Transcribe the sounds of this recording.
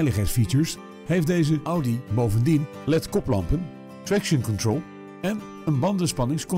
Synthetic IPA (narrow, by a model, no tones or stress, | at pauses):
jləχɛjtsfit͡ʃəɹs | ɦejfdejzəʔawdibowvəndin | lɛtkɔplɑ̰mpən | tɹɛkʃənkɔntrolˠ | ɛn | ənbɑndəspɑnɪŋskɔ